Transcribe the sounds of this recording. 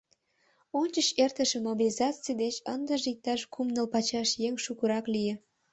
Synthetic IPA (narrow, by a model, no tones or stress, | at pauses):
onʲt͡ɕəɕert̪əʃĕmobilʲizɑt͡sijd̪et͡ɕənd̪əʒik̚t̪ɑʃkʰumnəlpɑt͡ɕɑʃjeŋʃukəɾɑklijĕ